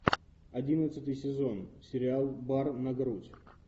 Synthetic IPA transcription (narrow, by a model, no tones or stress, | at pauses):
ɐdʲinət̪sɨt̪ɨjsʲɪzo̞nsʲɪɾʲɪalˠbarnɐɡɾutʲ